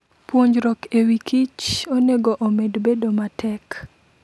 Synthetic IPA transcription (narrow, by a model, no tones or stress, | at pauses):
pwoɲd͡ʒɾɔkewikʰit͡ʃoneɡoʔomedbedomatʰɛk